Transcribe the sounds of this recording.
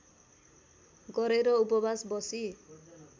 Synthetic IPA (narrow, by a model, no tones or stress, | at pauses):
ɡɔɾeɾɔupɔbasbɔsi